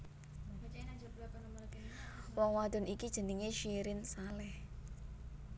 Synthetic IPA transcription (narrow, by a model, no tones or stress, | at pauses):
knm | wɔŋwad̪̥ɔ̤nʔikid̥ʒ̥ə̤niŋeʃiɾɪnsalɛh